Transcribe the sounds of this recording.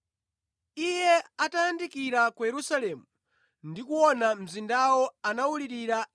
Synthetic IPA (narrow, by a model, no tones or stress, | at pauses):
ijɛatajandikiɾakujɛɾusalɛmu | ndikuwɔnam̩zindawɔanawuliɾiɾa